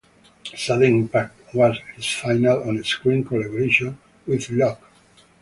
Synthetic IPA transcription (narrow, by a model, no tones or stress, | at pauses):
saðə̃nĩmpak̚twazhisfajnalɔ̃neskɹĩŋkɔlaboɾeʃɔ̃n | wiðlɔk